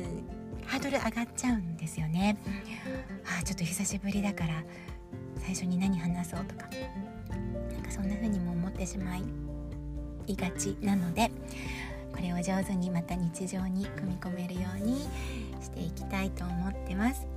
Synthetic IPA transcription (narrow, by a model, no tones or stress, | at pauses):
aːd̪o̞ɾɯ̟ʔaɡatt͡ɕaɯ̟̃nd̪e̞sɨjo̞ne̞ | aːt͡ɕo̞t̪ːoçisaɕibɯ̟ɾʲid̪akaɾa | saiɕo̞ɲ̟inaɲ̟iɦanaso̞ːt̪o̞̥kḁ | nãŋkasõ̞nːaɸɯ̟ːɲ̟imo̞ːmo̞t̪ːe̞ɕimai | iɡat͡ɕinano̞d̪e̞ | ko̞ɾe̞βod͡ʑo̞ːzɨɲ̟imat̪aɲ̟it͡ɕiʑo̞ːɲ̟ikɯ̟mʲiko̞me̞ɾɯ̟jo̞ːɲ̟i | ɕi̥t̪e̞ikʲi̥t̪ait̪o̞ːmo̞t̪ːe̞masɨ̥